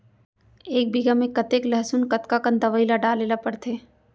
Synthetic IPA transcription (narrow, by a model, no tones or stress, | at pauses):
eːk̚biɡamẽkɐt̪eːklɐɦsunkɐt̪kakə̃nd̪ɐʋəilaɖaːlelapɐɽt̪ʰeː